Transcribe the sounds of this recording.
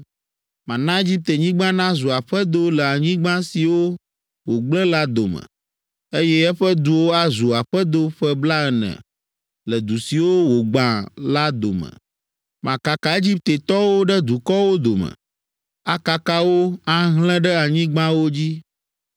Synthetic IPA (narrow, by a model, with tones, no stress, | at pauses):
mã˨nã˦e˦d͡ʑi˦p̚t̪e˨ɲĩ˦ɡ͡bã˦nã˦zu˨a˨ɸɛ˦d̪o˦lɛ˨a˨ɲĩ˦ɡ͡bã˦si˨wo˦ | wo˨ɡ͡blɛ̃˦la˦d̪o˨mɛ̰˨ | e˦jɛ˦ɛ˦ɸə˦d̪u˨wo˦a˦zu˨a˨ɸɛ˦d̪o˦ɸɛ˦bla˦ɛ˨nɛ̰̃˨ | lə˨d̪u˨si˨wo˦wo˨ɡ͡bã˨la˦d̪o̰˨mɛ̰̃˨ | mã˨ka˨ka˨e˦d͡ʑi˦p̚t̪e˨t̪ɔ˦wo˦ɖɛ˦d̪u˨kɔ˦wo˦d̪o˨mɛ̰̃˨ | a˨ka˨ka˦wo˦a˦ɦlɛ̃˦ɖɛ˦a˨ɲĩ˦ɡ͡bã˦wo˦d͡ʑi˦